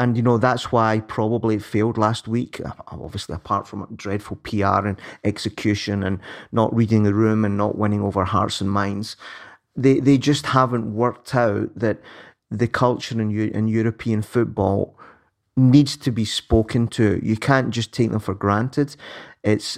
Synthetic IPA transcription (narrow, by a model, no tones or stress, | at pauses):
ə̃njɨnoðatswaɪpʰɹ̥ɔbəblˠiɨtfelˠdˡlˠast̚wikʰɔ̰bviəslˠḭəpʰaɹtfɹə̃mdɹɛd̥fl̩ˠpʰia̰ɹɨ̃nɛksɨkʰj̥ʉʃə̃nə̃nːə̰ʔɹidɪ̃ŋðəɹʉ̃mə̃nːə̰ʔwʔɛ̃nɪ̃ŋovə˞ɦa̰ɹtsə̃nmãɪ̃ndz̥ | ðeðed͡ʒʌst̚havə̃nʔwɜ˞k̚tʰaʊʔðəʔ | ðɨkʰʌlˠt͡ʃə˞ə̃njʔɪ̰̃njʉɹɨpʰĩə̃nfʉʔ̚b̥ɔ̰lˠ | nidz̥tʰɨbispokʰɨ̃ntʰəjɨ̰kʰãnd̥ʒ̥ʌstʰek̚ðə̃ɱfə˞ɡɹãntʰɪd̥ɪts